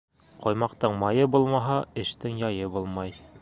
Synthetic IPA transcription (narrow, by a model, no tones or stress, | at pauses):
qɒjmɑqt̪ɤɴmɑjɤbulˠmɑɦɑɘ̆ʃt̪ɘŋjɒjɤbulˠmɑj